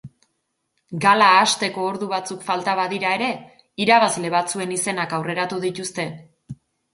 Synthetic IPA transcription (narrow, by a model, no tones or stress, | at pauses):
ɡalaːst̪e̞ko̞ːɾðuβat͡sukfalt̪aβaðiɾae̞ɾe̞ | iɾaβazle̞βat͡sue̞nise̞nakawre̞ɾat̪uðit̪ust̪e̞